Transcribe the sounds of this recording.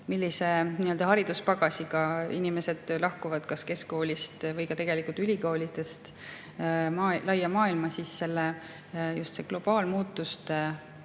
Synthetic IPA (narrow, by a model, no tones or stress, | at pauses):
milʲːise̞niːø̞ld̪ɑɦɑɾid̪̥uspɑɡ̥ɑsʲiɡɑinimese̞d̪̥lɑhkuvɑd̪̥kɑske̞sko̞ːlʲist̪vɤjkɑt̪e̞ɡ̥e̞likːˑult̪ylʲiko̞ːlʲit̪e̞st̪ | mɑːlɑjːɑmɑːilmɑsisːe̞lːe | just̪seɡ̥lo̞b̥ɑːlmuːt̪ːˑust̪e